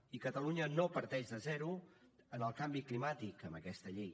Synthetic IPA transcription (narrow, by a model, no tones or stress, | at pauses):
ikət̪əluɲənopəɾt̪ɛʒd̪ðəzɛɾuənəlˠkambiklimat̪ikəmbəkɛst̪əʎej